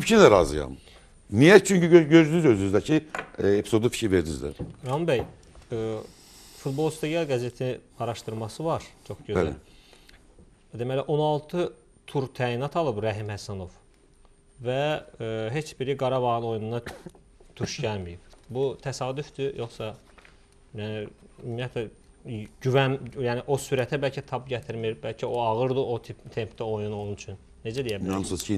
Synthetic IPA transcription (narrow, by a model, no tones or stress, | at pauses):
pt͡ʃʰiæɾɑ̰zɯ̰jɑ̰m | nijæt͡ʃʰyɲcyøɟøzd̪ynyzøzynyzd̪æcʰiepʰizo̞d̪ufi̥cʰɾiveɾd̪iny̰zd̪æ̰ɾɑmbæj | fut̪̚bo̞lˠst̪eɡɑlɡæze̞t̪ʰiniɑɾɑʃt̪ɯɾmɑsɯvɑɾt͡ʃʰo̞xɟøæ | d̪emæliʔo̞nɑlˠt̪ʰɯ | t̪ʰuɾt̪ʰæːinɑt̪ʰɑlˠɯbɾæɦimhæsæno̞v̥ | væ | ɦe̞t͡ʃbiɾiɡɑɾɑvɑɣnˠo̞jununɑ | t̪ʰuʃɟælmijib̥but̪ʰæsɑːd̪yfd̪yjo̞χsɑ | jæniymːijæt̪ʰlæ | ɟyvænjæːniʔo̞syɾæt̪ʰæbælʲcʰæt̪ʰɑbɟæt̪ʰiɾmiɾbælcʰio̞ɑɣɯɾd̪ɯʔo̞t̪ʰipt̪ʰe̞mpʰt̪æo̞junolˠunyt͡ʃʰynːe̞d͡ʒæd̪ijæbɑmsusʰi